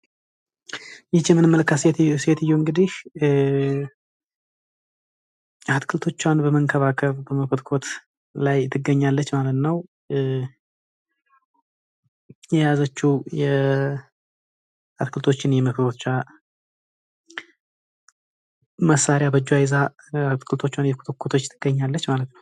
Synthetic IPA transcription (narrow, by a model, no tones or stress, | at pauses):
jɛt͡ʃːɛmːɨnɨmːələkːaset̪set̪ɨjːuŋɡɨd̪ih | jat̪kʰɨlt̪ʰo̞t͡ʃːanbəməŋkʰəβakʰəβbəməkʰot̪kʰo̞t̪ | lajt̪ʰːɨɡːəɲːalːət͡ʃːmalət̪nəw | jɛjazət͡ʃːujɛ | at̪kʰɨlt̪ʰo̞t͡ʃːɪnjɛməkʰt̪ʰot̪t͡ʃːa | məsːaɾjabəd͡ʒːwajza | at̪kʰɨlt̪ʰo̞t͡ʃːwanjɛkʰu̥t̪ʰokʰːot̪ʰo̞t͡ʃːt̪ʰːɨɡ̥əɲːalːət͡ʃːmalət̪nəw